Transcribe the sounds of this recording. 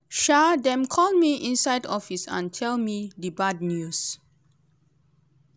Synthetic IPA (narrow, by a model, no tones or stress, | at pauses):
ʃadɛ̃mkʰɔlmiʔĩnsajdɔfisã̰ntʰɛlmidibad̚njus